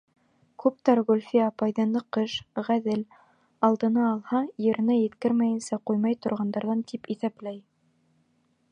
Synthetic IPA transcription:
kʉp̚t̪ɑɾʁulʲfiɑpɑjðɑnɤqɤʃʁæðɘl | ɑlˠd̪ɤ̆nɑːlˠhɑjɘ̆ɾɘ̆nɘjɘ̆t̪kɘɾmæjɘ̆nsæqujmɑjt̪ŏɾʁɑnd̪ɑɾðɑnt̪ipiθæplæj

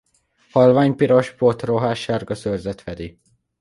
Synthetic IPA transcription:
hɒlvaːɲpiɾo̞ʃpot̪roɦaːʃaːrɡɒsørzɛt̪fɛd̪i

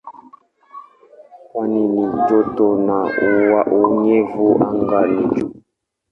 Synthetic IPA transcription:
kwaninid͡ʒotonauwaʔuɲevuʔaŋɡalid͡ʒu

